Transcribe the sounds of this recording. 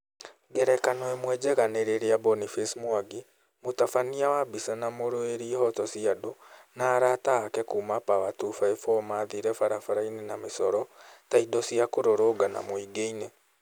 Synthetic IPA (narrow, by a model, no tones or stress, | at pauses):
ɡɛɾɛkanoɛmwɛd͡ʒɛɣaneɾeɾeabɔnifesmwaɡi | motafaniawabisanamoɾoeɾihɔtɔsiadonaɾataːkɛkumapawatufaefɔmaðiɾɛfaɾafaɾainenamesɔɾɔtaidɔsiakoɾoɾoɡana̰moiɡeine